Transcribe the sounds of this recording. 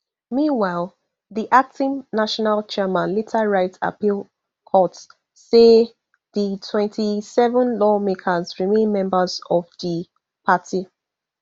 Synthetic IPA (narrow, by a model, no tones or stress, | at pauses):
mĩnwaɪlˠ | ðiʔak̚tĩŋnaʃɔnalt͡ʃɛmãnlitʰaɹaɪta̰pilˠ | kʰɔt | se | ðitʰwɛ̃ntʰisɛvə̃nlɔmekʰəzɹimẽnmɛ̃mbəzɔvðə | pʰati